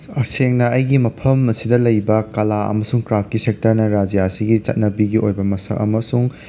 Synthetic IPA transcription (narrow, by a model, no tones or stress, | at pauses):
ɐseŋnɐɐjɡimɐpʰɐmɐsidɐlɐjbɐkɐlaɐ̰mɐsuŋkɾap̚kisek̚tɐɾnɐɾad͡ʒijaɐsiɡit͡ʃɐ̰t̚nɐbiɡiʔojbɐmɐsɐ̰ʔɐ̰mɐsuŋ